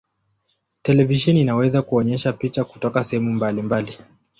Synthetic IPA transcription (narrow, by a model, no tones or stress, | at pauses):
tɛlɛviʃɛninawɛzakuɔɲɛʃapit͡ʃaku̥tɔkasɛhɛmumbalimbali